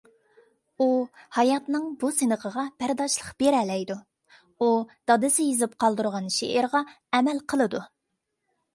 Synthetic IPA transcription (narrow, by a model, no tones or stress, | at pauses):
uhɑjɑt̪nɨŋbusɨnəʁʰəʁɑb̥æɾd̪ɑʃlˠəqb̥eɾɛlɛjd̪u | ud̪̥ɑd̪ɨsɪjizɨp̚qʰɑlˠd̪uɾʁɑnʃḛʔɪɾʁɑ | ɛmɛlqʰəlˠɨd̪u